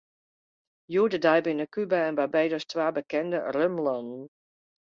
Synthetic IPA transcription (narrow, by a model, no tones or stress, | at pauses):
judədajbɪnəkybəɛnbabejdɔstʋaːbəkɛndərømlɔnn̩